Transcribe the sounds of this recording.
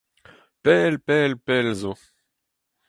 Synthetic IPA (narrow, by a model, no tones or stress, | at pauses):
pɛlpɛlpɛlzo